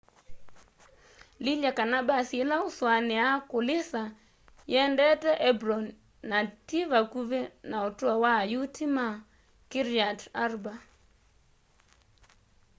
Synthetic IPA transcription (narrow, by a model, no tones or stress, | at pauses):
lilakanabasɪlaʊswanɪakʊlɪsa | jɛndɛtɛʔɛbɾɔnː | ativakuvenaotwawajutʰima | kɪɾjatarba